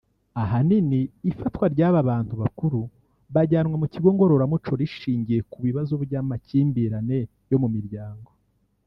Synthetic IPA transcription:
aɦaniniːfatwaɾɟaːβaβaːntuβakuɾu | βaɟaːnŋwamuciɡo̞ŋɡo̞ɾo̞ɾamut͡ʃo̞ɾiʃiːɲɟije̞kuβiβazobɾɟaːmaciːmbiɾane̞ | jo̞mumiɾɟaːŋɡo̞

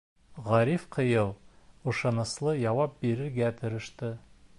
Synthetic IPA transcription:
ʁɑɾifqʰəjɤlˠŭʃɑnəslˠəjɑwɑp̚be̞ɾɪɾɡʲæt̪ʰɪ̆ɾɪ̆ʃt̪ə

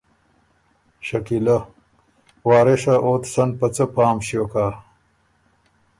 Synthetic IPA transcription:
ɕɐkila | wɑːɾeʂaʔot̪sɐn̚pɐt͡səpaːmɕjokaː

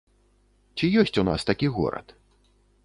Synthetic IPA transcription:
t͡sʲijɔsʲt͡sʲuna̰st̪akʲiɣɔ̰ɾɐ̰t̪

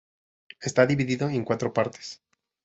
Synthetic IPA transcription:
e̞st̪aðiβiðiðoeŋkwat̪ɾo̞paɾt̪e̥s

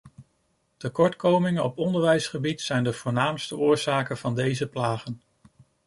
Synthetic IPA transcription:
təkɔɹtkowmɪŋənɔpɔndəɹʋɛjsχəbitsɛjndəv̥ʊːɹnaːmstəʔʊːɹz̥aːkənv̥ɑndejzəplaːχən

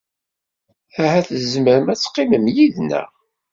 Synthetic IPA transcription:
æhæθəzməɾəmæt͡sːqːiməmjiðnə̰

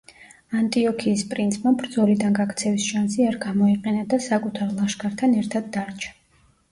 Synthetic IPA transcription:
ant̪ʼiɔkʰiːspʼɾint̪sʰmabɾd̪zɔlid̪anɡakʰt̪sʰɛvisʃansiaɾɡamɔiqʼɛnad̪asakʼut̪ʰaɾlˠaʃkʰʼaɾt̪ʰanɛɾt̪ʰad̪̚ːaɾt͡ʃʰḁ

